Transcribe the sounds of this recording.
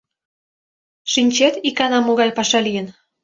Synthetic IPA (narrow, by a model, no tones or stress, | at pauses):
ʃinʲt͡ɕet̪ikɑnɑmoɣɑjpɑʃɑlijən